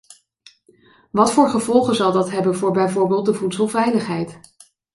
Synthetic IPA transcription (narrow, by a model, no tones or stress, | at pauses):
ʋɑtfʊːɹχəvɔlˠχənzɑlˠdɑtɦɛbənvʊːɹbɛjvʊːɹbɪːlˠt̚dəvutsəlˠvɛjləχɦɛjt